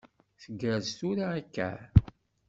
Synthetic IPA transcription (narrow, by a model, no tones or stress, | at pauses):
θəɡæzt̪uɾaːkːæ̰